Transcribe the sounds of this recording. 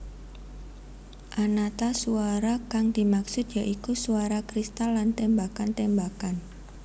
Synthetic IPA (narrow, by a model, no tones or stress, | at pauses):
ʔanat̪asuaɾakaŋd̪̥i̤maksʊt̪jaʔikusuaɾakɾist̪alːant̪embakant̪embakan